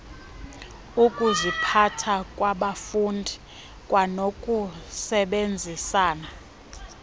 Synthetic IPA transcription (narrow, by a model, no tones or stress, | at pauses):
ukʼuzipʰatʰakʼwaɓafundʱi | kʼwʔanokʼusɛɓend͡zʱisaːna